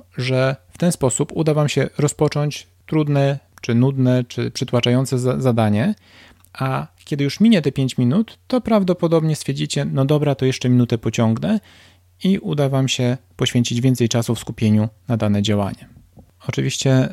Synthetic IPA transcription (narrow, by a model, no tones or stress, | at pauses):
ʐɛft̪ɛnspɔsupud̪avamɕɛɾɔspɔt͡ʂɔɲt͡ɕ | t̪ɾud̪nɛ | t͡ʂɘnud̪nɛt͡ʂɘpʂɘt̪wat͡ʂajɔnt̪sɛzad̪aɲɛ | akʲɛd̪ɘjuʂmʲiɲɛt̪ɛpʲjeɲt͡ɕmʲinut̪ːɔpɾavd̪ɔpɔd̪ɔbɲɛst̪fʲeɛɾd͡ʑit͡ɕɛnɔd̪ɔbɾat̪ɔjɛʂt͡ʂɛmʲinut̪ɛpɔt͡ɕɔŋɡnɛ | iʔud̪avamɕɛpɔɕfʲeɲt͡ɕid͡ʑvʲjɛnt̪sɛjt͡ʂasufskupʲjeɲunad̪anɛd͡ʑawa̰ɲɛ | ɔt͡ʂɘvʲiɕt͡ɕɛ